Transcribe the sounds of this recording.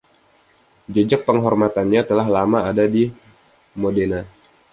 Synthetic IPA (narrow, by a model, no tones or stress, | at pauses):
d͡ʒəd͡ʒak̚pəŋɦɔrmat̪anɲat̪əlaɦlamaadadi | modena